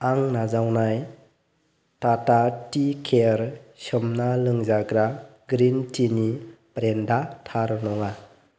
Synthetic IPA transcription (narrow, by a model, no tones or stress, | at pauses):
aŋnazawnaj | tatatikʰeɾsɯmnalɯŋzaɡɾaɡɾintinibɾendatʰaɾnɔŋa